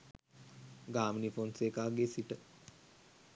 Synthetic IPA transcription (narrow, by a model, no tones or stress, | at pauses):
ɡaːminifonsekaːɡeːsiʈə